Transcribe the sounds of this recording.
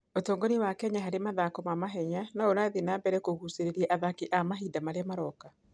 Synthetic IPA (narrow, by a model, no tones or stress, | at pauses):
otoːŋɡoniwakɛɲaɦaɾemaðakɔmamaɦɛɲanaoɾaðinaːbɛɾɛkoɣuseɾeɾiɛʔaðakiʔamaɦiːdamaɾeamaɾɔka